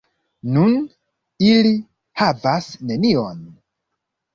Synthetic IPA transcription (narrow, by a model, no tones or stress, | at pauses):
nun | ili | havasne̞nion